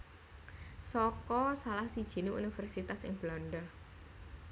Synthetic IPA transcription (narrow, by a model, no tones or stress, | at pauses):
sɔkɔsalahsid̥ʒ̥i̤niʔṵnifɛrsit̪asɪ̰ŋb̥lanɖa